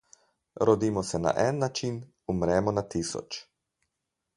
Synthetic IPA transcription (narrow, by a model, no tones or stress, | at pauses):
ɾɔd̪iːmɔsɛna̰ʔɛnːat͡ʃin | umɾɛmɔnat̪isɔ̰t͡ʃ